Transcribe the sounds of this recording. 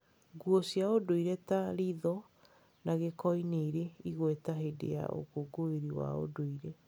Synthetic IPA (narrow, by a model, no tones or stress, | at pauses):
ɡwɔsjaodoiɾɛtaɾiðɔ | naɣekɔineiɾeiɣwɛtaɦedḛja̰ʔo̰koɡoeɾiwa̰o̰doiɾe